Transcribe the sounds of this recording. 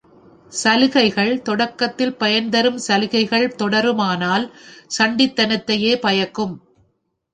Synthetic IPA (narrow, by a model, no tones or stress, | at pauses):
sɐlɯɣɐɪɣɐɭt̪ɔɽɐkːɐt̪ːɪlpɐjɐnd̪ɐɾɯmsɐlɯɣɐɪɣɐɭt̪ɔɽɐɾɯmaːnaːlsɐɳɖɪt̪ːɐnɐt̪ːɐjeːpɐjɐkːɯm